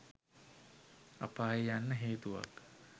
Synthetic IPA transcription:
a̰paːjejanːəɦeːt̪uʋa̰k

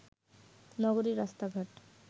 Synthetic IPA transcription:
nɔɡoɾiɾast̪aɡʱaʈ

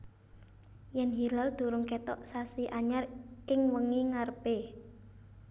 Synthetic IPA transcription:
jɛnɦilald̪̥ṳɾʊŋket̪ɔʔsasiʔaɲarɪŋwəŋiŋarb̥e

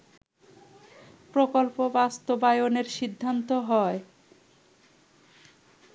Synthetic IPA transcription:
pɾokolpobast̪obajoneɾʃid̪ʱːant̪oɦɔe

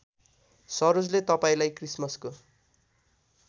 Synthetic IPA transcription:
sʌɾod͡zlet̪ʌpaĩlajkrismʌsko

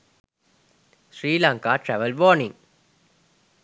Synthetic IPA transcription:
ʃɾiːlãːŋkaːʈɾɛʋəlʋɔːnɪ̃ŋ

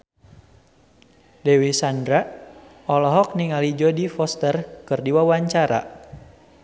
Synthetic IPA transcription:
dɛwisandɾa | ɔlɔɦɔk̚niŋalid͡ʒɔdifɔst̪ərkɨrdiwawaɲt͡ʃaɾa̰

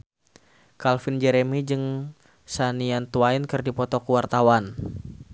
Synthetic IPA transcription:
kalfind͡ʒɛɾemid͡ʒɨŋ | saniant̪uainkɨrdipɔt̪ɔkuwart̪awan

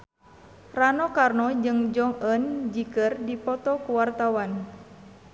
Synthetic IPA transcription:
ranɔkarnɔd͡ʒɨŋd͡ʒɔŋənd͡ʒikɨrdipɔt̪ɔkuwart̪awan

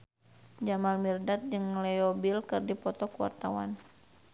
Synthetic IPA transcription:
d͡ʒamalmirdat̪̚d͡ʒɨŋlɛɔbilkɨrdipɔt̪ɔkuwa̰rt̪awa̰n

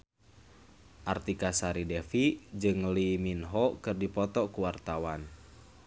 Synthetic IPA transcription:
ʔart̪ikasaɾidɛfid͡ʒɨŋliminɦɔkɨrdipɔt̪ɔkuwart̪awan

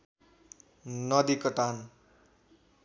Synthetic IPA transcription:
nʌd̪ikʌʈan

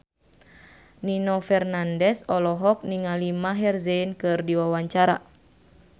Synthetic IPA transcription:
ninɔfɛrnandɛsɔlɔɦɔk̚niŋalimaɦɛrzɛinkɨrdiwawaɲt͡ʃaɾa̰

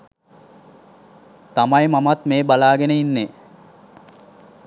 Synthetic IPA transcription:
t̪amajmamat̪meːbalaːɡenəinːe

